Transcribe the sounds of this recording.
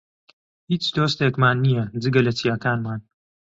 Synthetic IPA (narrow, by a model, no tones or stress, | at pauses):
hiːt͡ʃd̪oːst̪ekmaːnːijɐd͡zɨɡɐlɐt͡sijaːkaːnmaːn